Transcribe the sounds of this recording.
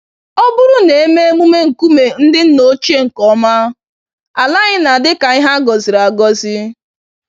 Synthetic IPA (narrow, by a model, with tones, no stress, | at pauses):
ɔ˦bʊ˦ɾʊ˦ne˨e˦me˦e˦mu˦me˦ŋ̩˨ku˦me˨n̩˦dɪ˦n̩˦no˦t͡ʃe˦ŋ̩˨kɔ˨˦ma˦ | a˨la˦ɣɪ˦na˨dɪ˦ka˨ɪ˦ɦa˦ɡɔ˨zɪ˨ɾa˨ɡɔ˦zɪ˦